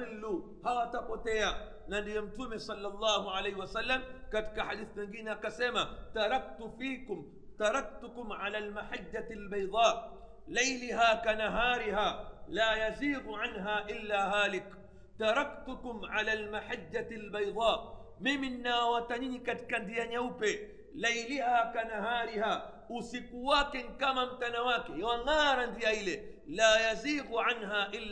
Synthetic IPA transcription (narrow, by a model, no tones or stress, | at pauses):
lːu | hawatapɔtɛa | nandijɔm̩tumɛsɑlːalˤːɑːɦuʕalɛjhiwasalːamkati̥kaħaɗiθimɛŋɡinɛakasɛmataɾˤɑk̚tufiːkʊm | taɾɑk̚tʊkʊmʕalaːlmaħad͡ʒːaalbajðˤɑː | lɛjliɦaːkanaɦaːɾiɦaːlaːjaziːðuʕanɦaːʔɪlːaːɦaːlɪk | taɾɑktʊkʊmʕalaːlmaħad͡ʒːatalbajðˤɑː | miminːawataɲinikati̥kandiaɲaupɛ | lajlihaːkanaɦaːɾihaː | usikuwakɛŋkamam̩tanawakɛjawaŋaːɾandiailɛ | laːjaziːɣuʕanɦaːʔɪlː